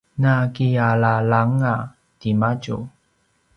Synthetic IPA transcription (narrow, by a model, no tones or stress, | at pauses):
nakialalaŋa | timaɟṵ